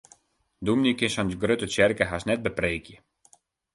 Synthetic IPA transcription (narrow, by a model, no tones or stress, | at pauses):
d̪umnikɪʃɔnɡrøtət͡ʃɛrkəɦasnɛt̚bəpreːkjə